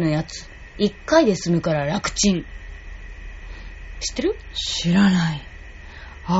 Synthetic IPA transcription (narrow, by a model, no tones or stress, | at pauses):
no̞jat͡sɨ̥ | ikːaid̪e̞sɨmɯ̟kaɾaɾakɯ̟̥t͡ɕĩŋ | ɕi̥t̪ːeɾɯ̟ɕiɾanai | a